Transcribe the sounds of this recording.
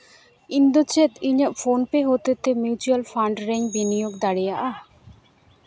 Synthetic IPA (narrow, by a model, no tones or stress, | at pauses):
ind̪ot͡ɕet̪iɲəfonpeɦot̪et̪emjut͡ɕualfʰaɳɖɾeŋbinijoɡd̪aɽijaʔa